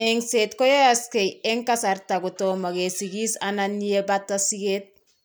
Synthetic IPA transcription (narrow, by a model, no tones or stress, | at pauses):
eŋsetkojaaskejeŋkasaɾtaɡutomaɡesiɡisananːijebatːasiɡet̚